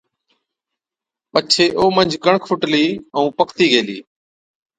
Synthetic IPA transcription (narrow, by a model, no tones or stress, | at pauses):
pət͡ʃʰeːʔoːmənd͡ʒʱɡəɳkʰʊʈliːəũːpəkʰt̪iːɡʱeːlḭː